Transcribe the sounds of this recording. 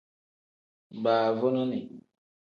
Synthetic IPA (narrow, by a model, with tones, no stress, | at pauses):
baː˨vɔ˦nɔ˦ni˨